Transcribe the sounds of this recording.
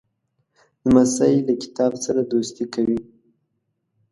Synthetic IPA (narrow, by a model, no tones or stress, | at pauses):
d̪əmasajilakɪ̥t̪ɑbsaɾad̪ost̪ikawi